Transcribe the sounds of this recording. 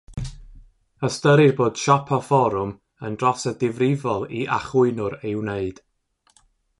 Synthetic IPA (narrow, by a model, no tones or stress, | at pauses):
əstəɾɪrboːd̥ʃɔpʰɔfɔɾʊm | əndrɔsədɪvrɪvɔlˠiʔa̰χʊɨnʊɾewneɨd̥